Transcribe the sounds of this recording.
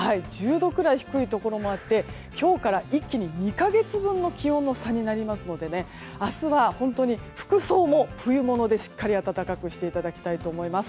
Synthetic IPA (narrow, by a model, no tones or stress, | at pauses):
haid͡ʑɨːd̪o̞kɯ̟ɾaiçi̥kɯ̟it̪o̞ko̞ɾo̞mo̞at̪ːe̞ | kʲo̞ːkaɾaʔikʲːiɲ̟iɲʲikaɡe̞t͡sɨbɯ̟̃nːo̞kʲihõ̞nːo̞saɲ̟inaɾʲimasɨno̞d̪e̞ne̞ | asɨβahõ̞nt̪o̞ɲ̟iɸɯ̟̥kɯ̟so̞ːmo̞ɸɯ̟jɯmo̞no̞d̪e̞ɕi̥kːaɾʲiat̪at̪akakɯ̟ɕi̥t̪e̞it̪ad̪akʲi̥t̪ait̪o̞ːmo̞imasɨ̥